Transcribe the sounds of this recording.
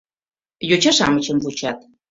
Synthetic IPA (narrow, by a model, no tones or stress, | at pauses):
jot͡ɕɑʃɑmət͡ɕə̆mvut͡ɕɑt̪̚